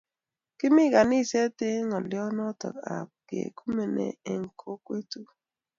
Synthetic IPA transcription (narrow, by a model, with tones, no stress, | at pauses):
kɪ˦mɪ˦˨ɣa˨ni˦˨se˦te˦ŋɔ˨lɪ˦ɔ˦nɔ˦tɔ̰˨ka̰˨pɡ̥ḛ˨ku˦me˨nḛ˨e˦ŋ̩˨kʰo˦kwe˦tu˦